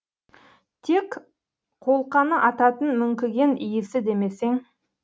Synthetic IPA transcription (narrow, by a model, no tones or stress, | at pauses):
t̪ʰe̞k | qʰo̞lˠqɑnəʔɑt̪ɑt̪ənmʏŋkʲɪɡʲe̞nʔijɪsɪd̪e̞me̞se̞ŋ